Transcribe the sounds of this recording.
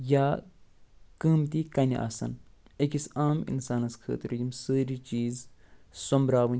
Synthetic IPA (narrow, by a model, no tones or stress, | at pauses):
jaː | kəːmt̪ikɐnʲḭʔɐ̰sɐ̰nekisaːmḭnsaːnɐskʰə̰ːt̪ɾjimsəːɾit͡ʃiːzsombɾaːʋɐn